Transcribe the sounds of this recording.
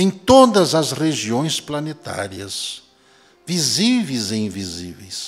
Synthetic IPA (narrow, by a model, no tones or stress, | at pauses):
ẽj̃t̪od̪ɐzɐzʁeʒiõj̃splɐnet̪a̰ɾiɐs | vizivejzeĩvizivḛjs